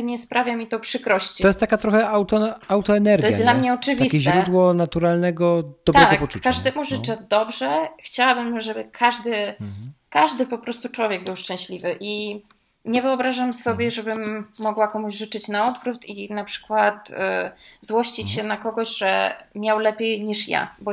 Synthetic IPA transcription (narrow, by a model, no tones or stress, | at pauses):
ɲɛspɾʔavʲjamʲit̪ɔpʂɘkɾɔɕt͡ɕiɔjɛst̪ːakat̪ɾɔxɛawt̪ɔawt̪ɔɛnɛɾɡ̪ɔjɛj̪d̪lamɲɛɔɨvʲiskʲɛʑɾɛud̪wɔnat̪uɾalnɛɡɔd̪̥ɔb̪ɾɛɡɔkpɔukːaʐd̪ɛmuʐɘt͡ʂɛd̪ɔbʐɛxt͡ɕawabɘmʐɛbɘkʰaʐd̪ɘ | kaʐd̪ɘpɔpɾɔst̪ut͡ʂwɔvʲjɛɡ̚bɘwʂt͡ʂɛ̃ɕlʲivɘʔi | ɲɛvɘɔbɾaʐamsɔbʲjɛʐɛbɘmːɔɡwakɔmuʑʐɘt͡ʂɘt͡ɕnaɔd̪vɾut̪ʰinapʂɘ̥kwat̪ | zwɔɕt͡ɕit͡ɕɕɛnakɔɡɔɕʐɛ̰mʲjawlɛpʲjejɲiʂja̰bɔ